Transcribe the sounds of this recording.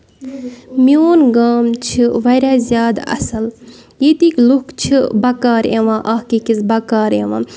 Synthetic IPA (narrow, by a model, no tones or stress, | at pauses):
mjoːnɡaːmt͡ʃʰiʋɐɾaːzjaːd̪ɐ̰sɐl | jet̪iːklukt͡ʃʰibɐkaːɾẽʋãːʔahkikisbɐkaːɾḛʋã̰ː